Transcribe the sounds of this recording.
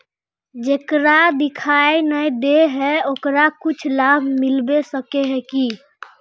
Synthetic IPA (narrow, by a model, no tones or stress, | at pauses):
d͡ʒekɾad̪ikʰajnəjd̪eɦɛokɾakut͡ʃʰlabʱmilbesəkeɦɛki